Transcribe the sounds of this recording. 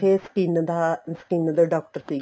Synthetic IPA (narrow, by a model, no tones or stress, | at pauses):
eskinːɐd̪askinːɐd̪ɐɖoːk̚ʈɐrsiː